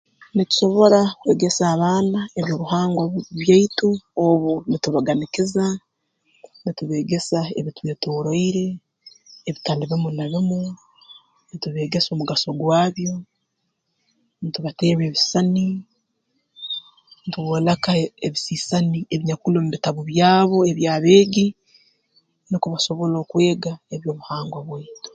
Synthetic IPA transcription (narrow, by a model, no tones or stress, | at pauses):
nitu̥ʃo̞βo̞ɾakwe̞ːɡe̞saːβaːnaeβjo̞ːβuhaːŋɡwaβjaituoβunituβaɡanikiza | nituβe̞ːɡe̞saḛβitweːtoːɾoiɾe̞ː | βitaːndiβimunaβimu | nituβe̞ːɡe̞so̞ːmuɡaso̞ɡwaːβjo̞ | nituβateːɾeːβisani | nituβoːlakaeβisiːsanieβiɲakulomuβitaβuβjaːβo̞eβjaːβe̞ːɡi | nikuβaso̞βo̞loːkwe̞ːɡaeβjo̞ːβuhaːŋɡwaβweːtu̥